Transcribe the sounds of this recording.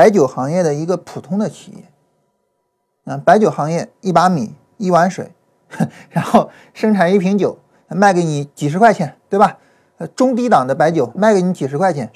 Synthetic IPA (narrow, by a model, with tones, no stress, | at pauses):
a˧˥ɪt͡ɕjo˨˩ʊxɑ˧˥ŋjɛ˥˩d̪ə˩i˧˥ɡə˧pʰu˨˩t̪ʰʊ˥ŋd̪ə˨t͡ɕʰi̥˨˩jɛ̰˥˩ | ə˧pa˧˥ɪt͡ɕjo˨˩ʊxɑ˧˥ŋjɛ˥˩i˥˩pa˥mḭ˨˩˦ | i˥˩wa˧˥nʂwḛ˨˩˦ɪ | ɻa˧˥nxo˥˩ʊ | ʂɤ˥ŋʈ͡ʂʰa˨˩ni˥˩pʰi˧˥ŋt͡ɕjo˨˩˦ʊ˧ | ma˥˩ɪke˧˥ɪni˨˧˥t͡ɕi˨˩ʂɻ̩˧˥kʰwa˥˩ɪt͡ɕʰjɛ˧˩nt̪we˥˩ɪbɐ˨˩ | ə˧ʈ͡ʂʊ˥ŋt̪̬i˥t̪ɑ˨˩ŋd̪ə˦pa˧˥ɪt͡ɕjo˨˩ʊma˥˩ɪke˧˩ɪni˧˥t͡ɕi˨˩ʂɻ̩˧˥kʰwa˥˩ɪt͡ɕʰjɛ˨˧˩n